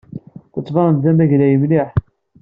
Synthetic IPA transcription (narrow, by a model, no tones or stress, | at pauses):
θət͡sˤːvɑɾˤənðæmæʝlæjəmliħ